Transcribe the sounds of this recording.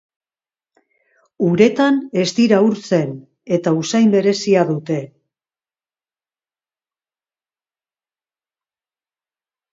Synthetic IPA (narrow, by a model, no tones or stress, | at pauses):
uɾe̞t̪ane̞zt̪iɾauɾt͡se̞n | e̞t̪ausajmbe̞ɾe̞siaðut̪e̞